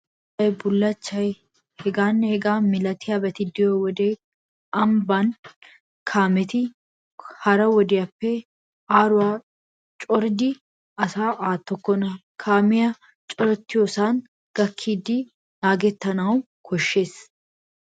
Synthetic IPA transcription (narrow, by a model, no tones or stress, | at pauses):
ɐjbʊlːɐt͡ʃːɐj | hɛɡaːnhɛɡaːmɪlɐt̪ɪjabɛt̪ɪd̪ɪjowɔd̪eː | ɐmbaːn | kʰaːmɛt̪ɪ | hɐɾɐwɔd̪ɪjɐpːɛ | aːɾʊwaː | t͡ʃʼɔɾd̪ɪ | ɐsaːʔaːt̪ːɔkːɔnɐ | kʰaːmɪjɐ | t͡ʃʼɔɾɔt̪ːɪjoːsaːn | ɡ̥ɐkʰːiːd̪ɪ | naːɡɛt̪ːɐnɐw | kʰɔʃːe̞ːs